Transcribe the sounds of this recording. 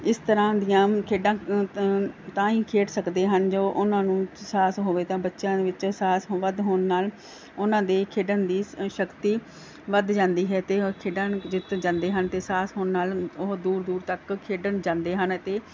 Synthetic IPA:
ɪst̪əɾãːd̪ɪjãːkʰeːɖãː | t̪ãːiːkʰeːʈsəkd̪eːɦənd͡ʒoːʔʊnãːnũːsaːsɦoːʋeːt̪ãːbətːʃjãːd̪eːʋɪt͡ʃsaːsʋəd̪ɦoːnːaːl | ʊnãːd̪eːkʰeːɖənd̪iːʃəkt̪iː | ʋəd̪d͡ʒãːnd̪iːɦɛːt̪eːkʰeːɖãːd͡ʒɪt̪d͡ʒãːnd̪eːɦənt̪eːsaːsɦoːnːaːlʊɦd̪uːɾd̪uːɾt̪əkkʰeːɖənd͡ʒãːnd̪eːɦənt̪eː

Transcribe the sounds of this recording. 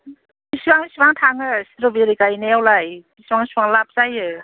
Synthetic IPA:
bisbaŋisipaŋtʰaŋɯsiɾɔbiɾikajnejawlajbisibaŋsibaŋlap̚sajɯ

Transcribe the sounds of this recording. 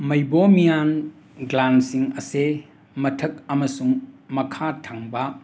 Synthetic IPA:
mɐjbomijan | ɡlansiŋɐse | mɐtʰɐk̚ɐmɐsuŋmɐkʰatʰaŋbɐ

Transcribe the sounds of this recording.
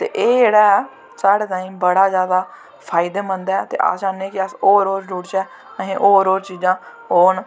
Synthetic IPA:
t̪ḛːʔeːd͡ʒeːɽaː | saːɽɛt̪aːiːmbəɽaːzjaːd̪aː | pʰaːɪd̪eːmənd̪aɛːt̪ḛːʔa̰ːsd͡ʒaːneeːkɪəsoːɾoːɾd͡ʒuːɽt͡ʃɛː | əɦẽːʔoːɾoːɾt͡ʃiːd͡ʒãː | oːn

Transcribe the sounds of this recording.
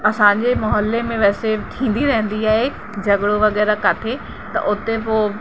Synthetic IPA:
ɐsãɲ̆d͡ʑemɐɦəlːemẽʋɛːset̪ʰĩːn̆d̪iɾɐɦə̃n̆d̪iaːɦe | d͡ʑɐɡɽoʋɐɣɛːɾakɐʈʰe | t̪ɐ̰ʔʊt̪epoː

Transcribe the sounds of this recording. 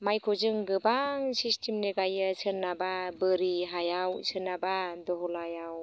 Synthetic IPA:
majkʰɔzɯŋɡɯbaŋsistʰimneɡajɯsɯnːababɯɾiɦajawsʰɯnːabadɔɦɔlajaw

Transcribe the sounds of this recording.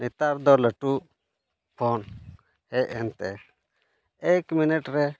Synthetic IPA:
nit̪aɾd̪ɔɾləʈu | pʰɔn | hɛɛnt̪ɛ̰ | ɛkminɛʈɾɛ

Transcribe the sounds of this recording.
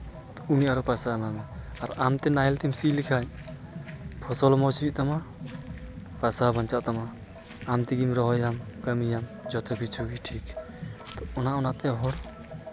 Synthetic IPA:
unijʔaɾɔpasaːmamɛ | aɾamt̪ɛnajlt̪imsilikʰaɲ | pʰɔsɔlmɔt͡ʃʰuiʔt̪ama | pasabaɲt͡ʃaʔt̪ama | amt̪iɡimɾɔɦɔjamkəmijamd͡ʒɔt̪ʰɔbʱit͡ʃʰuɡiʈʰik | t̪ɔɔnaɔnat̪ɛɦɔɾ

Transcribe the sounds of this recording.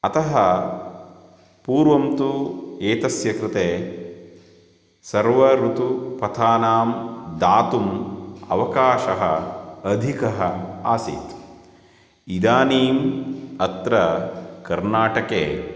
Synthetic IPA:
ɐt̪ɐɦɐ | puːɾʋɐmt̪ueːt̪ɐsjɐkɾɪt̪eː | sɐɾʋɐɾut̪upɐt̪ʰaːnaːmd̪aːt̪umɐ̰ʋɐkaːʃɐɦɐ̰ɐd̪ʱikɐɦɐaːsḭːt̪ | id̪aːniːmɐt̪ɾɐkɐɾnaːʈɐkeː

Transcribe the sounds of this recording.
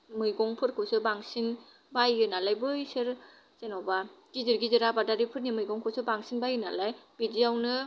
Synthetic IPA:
mɯjɡɔŋpʰɯɾkʰɯsɯbaŋsiŋ | bajːɯnalajbɯjsɯɾ | senawbaɡ̥izɯɾɡizɯɾabadaɾipʰɯt̚nimɯjɡɔŋkʰɯsɯbaŋsiŋbajɯna̰lajb̥idijawnɯ

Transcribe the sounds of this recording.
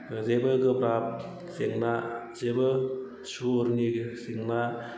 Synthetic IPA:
zebɯɡɯbɾap̚ | seŋna | zebɯ | suɾŋisiŋna

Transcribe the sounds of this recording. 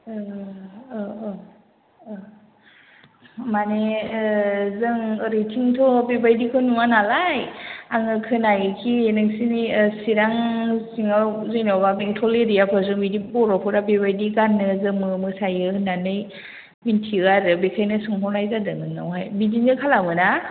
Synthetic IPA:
mane | zɯŋɾitʰiŋtʰɔbebajdikʰɔnuŋanalajaŋɯkʰɯnajɯkʰienɯŋsinisiɾaŋsiŋawzɯjnɔwbabeŋtʰɔleɾijapʰɔzɯŋbidibɔɾɔpʰɯɾabebajdiɡanːɯzɯmɯmɯsajɯɯnanɯj | mintʰiɣaɾɯbekʰajnɯsɯŋpʰɔnajzadɯnɯnɯ̰wɦajbidiɯkʰalamɯna

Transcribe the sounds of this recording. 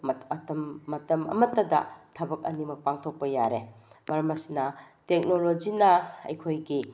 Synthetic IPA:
mtɐmːɐtɐmɐ̰mɐtːɐdɐ̰tʰɐbɐk̚ɐnimɐk̚paŋtʰok̚pɐjaɾemɐɾɐmɐsinɐ | tek̚nolod͡ʒinɐɐ̰jkʰojɡi

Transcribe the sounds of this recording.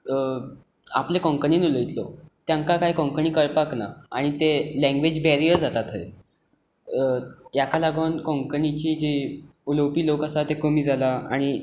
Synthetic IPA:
a̰plekɔ̃ŋkəniːnuləjt̪lo̰t̪jãŋkakaɦiːkɔ̃ŋkəɳiːkəɾpakna̰aɽ̃it̪elɛ̃ŋɡʋed͡ʑbɛɾiəɾd͡zat̪at̪ɦə̰j | jakalaɡənkɔ̃ŋkənit͡ɕiːd͡ʑiuləwpiːlokasat̪ekomiːd͡zʱalaa̰ɽ̃i

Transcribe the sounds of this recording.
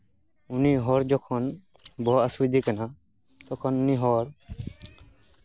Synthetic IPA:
uniɦɔɹd͡ʒɔkʰɔn | bɔasujd̪ikana | t̪ɔkʰɔnuniɦɔɹ

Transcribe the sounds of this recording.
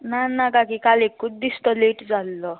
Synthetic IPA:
nanakakikalekːud̪ːist̪ɔleʈd͡zalːɔ

